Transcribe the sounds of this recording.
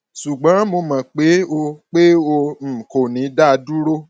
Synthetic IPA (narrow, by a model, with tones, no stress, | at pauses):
ʃu˨ɡ͡bã˨˦mo˧mã˨k͡pe˨˦o˧k͡pe˦o˧˨ko˨nĩ˨˦da˦˧du˦ɾo˦